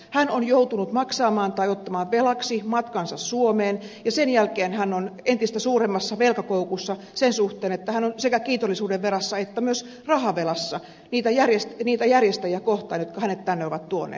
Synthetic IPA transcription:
hænonjout̪unut̪mɑksɑːmɑːnt̪ɑiot̪ːɑmɑːʋʋelɑksimɑt̪kɑnsɑssuomeːn | jɑsenjælkeːnhænːonent̪ist̪æsuːremːɑsːɑʋelkɑkoukusːɑ | sensuht̪eːnet̪ːæhænonsekækiːt̪olːisuːdeʋʋerɑsːɑet̪ːæmyøs | rɑhɑʋelɑsːɑ | niːt̪æjærjest̪niːt̪æjærjest̪æjiækoht̪ɑːnjot̪kɑhænet̪t̪ænːeoʋɑt̪t̪uonḛː

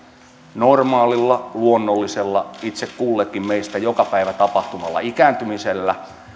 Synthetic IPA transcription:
normɑːlilːɑluonːolːiselːɑit̪sekkulːekːimmeist̪æjokɑpæiʋæt̪ɑpɑht̪umɑlːɑ̰ikæːnt̪ymiselːæ

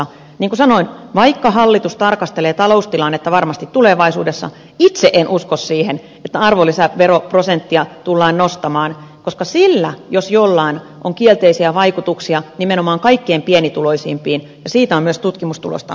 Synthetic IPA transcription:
niːŋkusɑnoinʋɑikːɑhɑlːit̪ust̪ɑrkɑst̪eleːt̪ɑloust̪ilɑnːet̪ːɑʋɑrmɑst̪it̪t̪uleʋɑisṵːdesːɑ̰ | it̪seʔenʔuskossiːhen | et̪ːæɑrʋolːisæʋeroprosent̪ːiɑt̪ulːɑːnnost̪ɑmɑːnkoskɑsilːæjosjolːɑin | ʔoŋkielt̪eisiæʋɑikut̪uksiɑnimenomɑːŋkɑikːeːmpienit̪uloisiːmpiːn | jɑsiːt̪æomyøst̪ut̪kimust̪ṵlo̰st̪ɑ̰

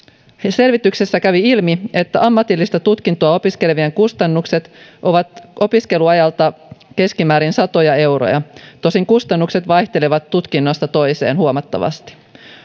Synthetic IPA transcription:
se̞lʋit̪yksesːækæʋiilmie̞t̪ːæʔɑmːɑt̪ilːist̪ɑt̪ut̪kint̪oɑo̞piske̞leʋieŋkust̪ɑnːukse̞t̪ʔo̞ʋɑt̪o̞piske̞luɑjɑlt̪ɑke̞skimæːɾinsɑt̪o̞jɑe̞wɾo̰jɑ̰t̪osiŋkust̪ɑnːukse̞t̪ʋɑjht̪e̞leʋɑt̪ːut̪kinːo̞st̪ɑt̪o̞jse̞ːnhuomɑt̪ːɑ̰ʋɑ̰st̪i̥

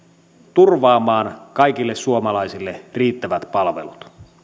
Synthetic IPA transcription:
t̪urʋɑːmɑːnkɑjkilːe̞ssuomɑlɑjsilːeriːt̪ːæʋæt̪pɑlʋe̞̰lut̪

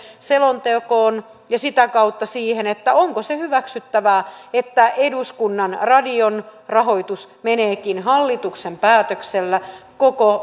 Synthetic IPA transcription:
selont̪eokoːn | jɑsit̪ækɑut̪ːɑsiːhenet̪ːæoŋkosehyʋæksyt̪ːæʋæːet̪ːæʔeduskunːɑnrɑdionrɑɦoit̪usmeneːkinɦɑlːit̪uksempæːt̪økselːækoko

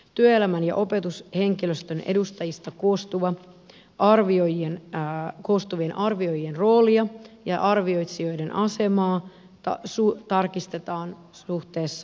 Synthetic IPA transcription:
t̪yøelæmænjɑ̰ʔo̞pe̞t̪ushe̞ŋkiløst̪øne̞̰dust̪ɑjist̪ɑkost̪uʋɑ | ʔɑrʋiojienko̞st̪uʋie̞nʔɑrʋio̞jie̞nro̞ːliɑjɑʔɑrʋio̞jt̪sio̞jde̞nʔɑse̞mɑː | ɑsut̪ɑrkist̪e̞t̪ɑːn | uht̪e̞ːsːɑ

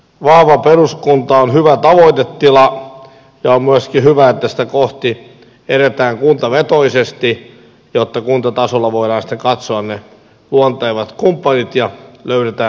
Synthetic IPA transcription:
ʋɑhʋɑperuskunt̪ɑonhyʋæt̪ɑʋoit̪et̪ːilɑ | jɑommyæskihyʋæet̪ːæsĭ̥t̪ækoht̪i | eɾet̪æːŋkunt̪ɑʋet̪oisest̪i | jot̪ːɑkunt̪ɑt̪ɑsolːɑʋoiɾɑːnsi̥t̪ːeŋkɑt̪soɑnne | luont̪eiʋɑt̪kumpːɑnit̪jɑløyɾet̪æː

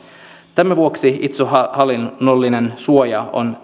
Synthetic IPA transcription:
t̪æmæʋuoksiit̪sohɑlinolːinensuojɑo̰n

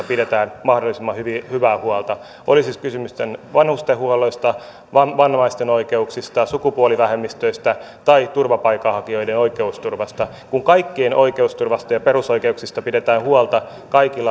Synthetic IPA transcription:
ɑpidet̪æːnmɑhdolːˑisimːɑhyʋihyʋæːhuɑlt̪ɑ | ʔolisiskysymyst̪enʋɑnhust̪ehuɑloist̪ɑ | ʋɑʋɑnhɑist̪enoikeuksist̪ɑsukupuoliʋæhemːist̪øist̪æ | t̪ɑit̪urʋɑpɑikɑhɑkio̞idenoikeust̪urʋɑst̪ɑ | kuŋkɑikːienʔo̰ikeust̪urʋɑst̪ɑjɑpeɾusoikeuksist̪ɑpidet̪æːnhuɑlt̪ɑ | kɑikilːɑ

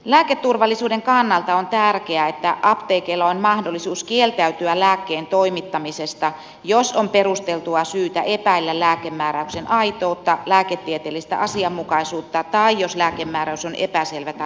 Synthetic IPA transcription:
læːket̪ːurʋɑlːisuːdeŋkɑnːɑlt̪ɑont̪ærkeæet̪ːæʔɑpt̪eːkeːlːɑonmɑhdolːˑisuːskielt̪æyt̪yælæːkːeːnt̪oimit̪ːɑmisest̪ɑ | josompeɾust̪elt̪uɑsyːt̪æʔepæilːællæːkemːæːɾæyksenʔɑit̪oːt̪ːɑlæːket̪ːiet̪eːlːist̪æ̰ʔɑsiɑmːukɑisuːt̪ːɑt̪ɑijoslæːkemːæːɾæysonʔepæselʋæt̪

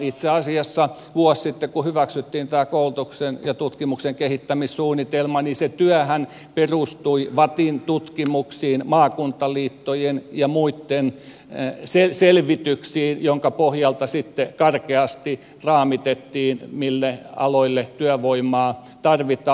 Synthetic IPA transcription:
it̪seɑsiɑsːɑ | ʋuɔssit̪ːekuhyʋæksyt̪ːiːnt̪æːkoult̪uksenjɑt̪ut̪kimukseŋkehit̪ːæmissuːnːit̪elmɑniset̪yæhæn | perust̪uiʋɑt̪int̪ut̪kimuksiːnmɑːkunt̪ːɑliːt̪ːojenjɑmuit̪ːen | seselʋit̪yksiːnjoŋkɑpohjɑlt̪ɑsit̪ːekɑrkeɑst̪i | rɑːmit̪et̪ːiːnmilːeɑ̰loilːet̪yæʋoimɑː | t̪ɑrʋit̪ɑ

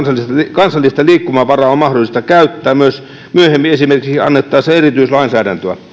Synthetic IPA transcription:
sɑlːiskɑnsɑlːist̪ɑliːkːumæʋɑrɑommɑhdolˑist̪ɑkæyt̪ːæːmyøs | myøhemːiesimerkiksiɑ̰nːet̪ːɑːseerit̪yislɑinsæːdænt̪øæ̰

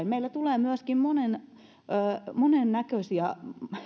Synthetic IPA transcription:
nmeilːæt̪uleːmyæskimmonenː | monennækøsiæ

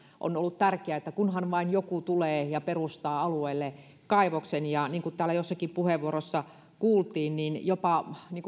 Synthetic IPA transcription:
ʔo̰nolːut̪t̪ærkeæet̪ːækunhɑnʋɑinjokut̪uleːjɑperust̪ɑːɑlueilːe | kɑiʋoksenjɑniːŋkut̪æːlːæjosːɑkipuheʋʋuorosːɑ | kuːlt̪iːnninjopɑniːŋku

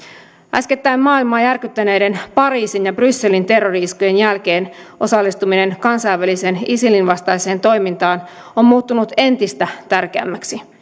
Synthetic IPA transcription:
ʔæske̞t̪ːæimːɑːilmɑːjærkyt̪ːæne̞jde̞npɑɾiːsinjɑbrysːe̞lint̪e̞rːoriiskuje̞njælk̟e̞ːn | ʔo̞sɑlːist̪umine̞nkɑnsɑjʋːælise̞nisilinʋɑst̪ɑise̞ːnt̪o̞jmint̪ɑːn | o̞mmuːt̪ːunut̪e̞nt̪ist̪æt̪ærk̟eæ̰mːæksi

